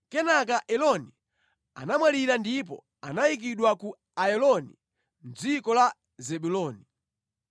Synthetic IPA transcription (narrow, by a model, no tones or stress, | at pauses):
kɛnak̬aʔɛlɔni | a̰namwaliɾandip̬ɔ̰ | a̰najik̬iɗwaku | ajɛlɔnḭ | m̩d͡zikɔla | zɛɓulɔːni